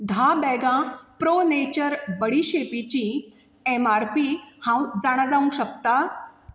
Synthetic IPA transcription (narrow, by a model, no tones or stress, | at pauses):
d̪ʱabɛɡãpɾonet͡ɕəɾbəɽiːɕepit͡ɕĩ | emaɾpiːhãwd͡zaɽ̃ad͡zaũɕək̚t̪a